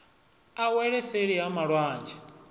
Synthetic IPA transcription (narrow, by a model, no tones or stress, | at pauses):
awɛɺɛseɺiɦamaɺwaːnd͡ʒɛ̥